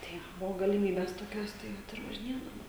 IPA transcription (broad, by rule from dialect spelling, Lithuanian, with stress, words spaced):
ˈtɐɪ ˈbʊʋoː ɡɐlʲɪˈmʲiːbʲeːs toːˈkʲoːs ˈtɐɪ ˈʋɐt ɪr ʋɐʒʲɪˈnʲeːdɐʋoːm